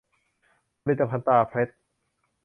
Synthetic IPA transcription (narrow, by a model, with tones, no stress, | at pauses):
li˧˩t̪ːa˧pʰa˧nt̪aː˧pʰɾe˦˥t̪̚